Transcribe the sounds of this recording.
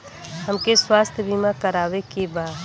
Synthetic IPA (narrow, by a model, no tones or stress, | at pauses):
ɦəmkeswaːst̪ʰjəbimakəɾaːʋekebaːd̪